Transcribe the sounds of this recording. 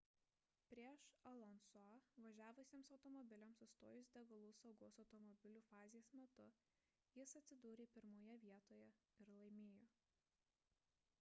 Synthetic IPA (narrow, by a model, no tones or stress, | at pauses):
pʲɾʲiɛʃɐlˠɔnsoʋɐʒʲæːʋʊsʲiːmsɒʊt̪ɔmɔbʲɪlʲɛmsʊst̪o̰ːjʊsd̪ʲɛɡɐlˠuːsɒʊɡoːsɒʊt̪ɔmɔbʲɪlʲuːfɑːzʲɪjeːsmʲɛt̪ʊ | jɪsɐt̪sʲɪd̪uːɾʲeːpʲɪɾmoːjɛʋʲiɛt̪oːjɛɪɾlˠɐɪmʲeːjoː